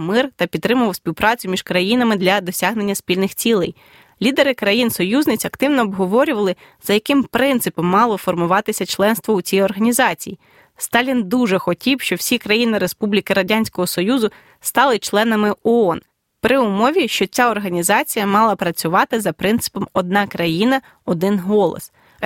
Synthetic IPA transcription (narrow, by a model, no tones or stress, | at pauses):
mɪrt̪ɐpʲid̪t̪ːɾɪmʊʋɐwsʲpʲiwpɾɑt͡sʲʊmʲiʃkɾɐjinɐmɪd̪lʲɐd̪ɔsʲaɦne̞nʲːɐspʲilʲnɪxt͡sʲilˠɛj | lʲid̪eɾɪkɾɐjinsɔjuznɪt͡sʲɐkt̪ɪwnɔːbɦɔʋɔɾʲʊʋɐlˠɪz̥ɐjɐkɪmpɾɪnt̪sɪpɔmːɑlˠɔfɔrmʊʋɑt̪ɪsʲɐt͡ʃlˠɛnst̪ʋɔut͡sʲijɔrɦɐnʲizɑt͡sʲiji | st̪ɑlʲind̪uʒɛxɔtʲiwʃt͡ʃɔwsʲikɾɐjinɪɾespublʲikɪɾɐdʲanʲsʲkɔɦɔsɔjuzʊ | st̪ɑlˠɪt͡ʃlˠɛnɐmɪɔɔn | pɾɪʊmɔʋʲiʃt͡ʃɔt͡sʲaɔrɦɐnʲizɑt͡sʲijɐmɑlˠɐpɾɐt͡sʲʊʋɑt̪ɪzɐpɾɪnt̪sɨ̥pɔmɔd̪̚nɑkɾɐjinɐ | ɔd̪ɪnɦɔlˠɔ̰s